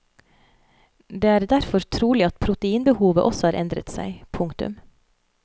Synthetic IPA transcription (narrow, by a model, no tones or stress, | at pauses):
d̪eːæːɾd̪æɾfɔɾt̪ʰɾuːlɪɑt̪pʰɾʊt̪əiːnbəhuːʋə̰ʔɔsɔhɑːɾʔɛnd̪ɾə̰t̪sæ̰ɪpʰʊŋt̪ʉ̰m